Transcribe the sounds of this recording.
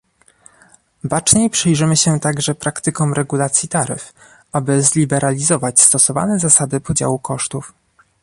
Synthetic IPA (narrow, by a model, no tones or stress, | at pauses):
bat͡ʂɲejpʂɘjʐɘmɘɕɛt̪aɡʐɛpɾakt̪ɘkɔ̃w̃ɾɛɡulat̪sʲjit̪aɾɘ̰f | ʔabɘzlʲibɛɾalʲizɔvat͡ɕst̪ɔsɔva̰nɛzasad̪ɘpɔd͡ʑa̰wukɔʂt̪uf